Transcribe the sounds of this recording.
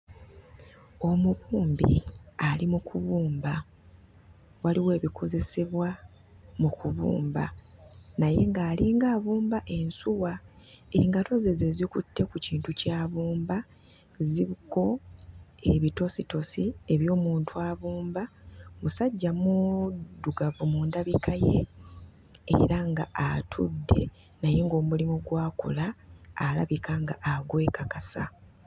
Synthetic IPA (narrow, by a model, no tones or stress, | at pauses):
o̞mukuːmbḭalimukuβuːmba | waliwe̞ːβikʰo̞ze̞se̞βwa | mukuβṵːmba̰naje̞ŋɡaːliːŋɡaːβuːmbaʔe̞nsuwa | e̞ŋɡato̞zezezikutːe̞kuciːntucaːβuːmba | ziβiko̞ | e̞βito̞sito̞sieβjo̞ːmuːntʰuaːβuːmbamusaɟːamuduɡavumuːndaβikʰaje̞ | ḛɾaŋɡaʔatʰṵdːe̞̰ | najeŋɡo̞ːmulimuɡwaːko̰laːla̰βikaŋɡaʔaɡwe̞ːkakasa̰